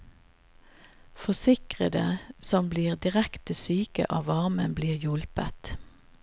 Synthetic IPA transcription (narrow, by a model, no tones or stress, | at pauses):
fɔsɪkʁəd̪əsɔmbliːʁd̪ɪʁɛkt̪əsyːkə̰ʔɑːʋɑʁmənbliːʁjʊlpət̪